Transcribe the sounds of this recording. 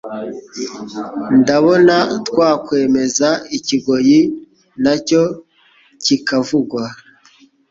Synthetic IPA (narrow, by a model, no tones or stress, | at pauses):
ndaβo̞natkwaːkwe̞ːme̞zaiciɡo̞ji | naco̞ | cikavuɡwa